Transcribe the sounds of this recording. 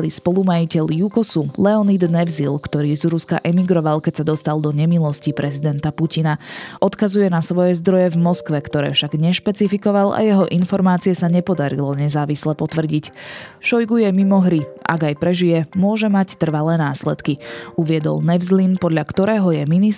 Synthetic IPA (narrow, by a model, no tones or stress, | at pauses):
lispɔlumajicɛʎjukɔsulɛɔnid̪nɛvzilkt̪ɔɾiːzɾuska̰ʔɛmiɡɾɔʋalkɛcsad̪ɔst̪ald̪ɔɲɛmilɔscipɾɛzid̪ɛnt̪apucinaʔɔt̪kazujɛnasʋɔjɛzd̪ɾɔjɛvmɔskʋɛkt̪ɔɾɛ̰ːfʃaɡɲɛʃpɛt͡sifikɔʋala̰jɛɦɔʔinfɔɾmaːt͡siɛsaɲɛpɔd̪aɾḭlɔɲɛzaːʋislɛpɔt̪ʋr̩ɟicʃɔjɡujɛmimɔɦɾiʔa̰ɡajpɾɛʒijɛmʊɔʒɛmact̪r̩ʋalɛːnaːslɛ̰t̪kiuʋɪɛd̪ɔ̰lnɛvzlinpɔd̪ʎakt̪ɔɾɛːɦɔjɛminis